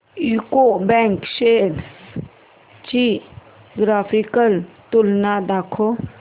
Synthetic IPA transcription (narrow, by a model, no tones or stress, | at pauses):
ikobɛ̃ŋkʃeːɖs | t͡ʃi | ɡɾaːpʰikəlt̪ʊlnad̪aːkʰo